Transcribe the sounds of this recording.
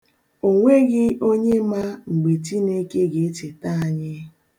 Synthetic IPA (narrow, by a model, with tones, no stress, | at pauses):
o˨ŋʷe˦ɡɪ˦o˦ɲe˦ma˦ŋ͡m̩˨ɡ͡be˨ti˦ne˦ke˦ɡe˨e˦t͡ʃe˨ta˦a˨ɲɪ˦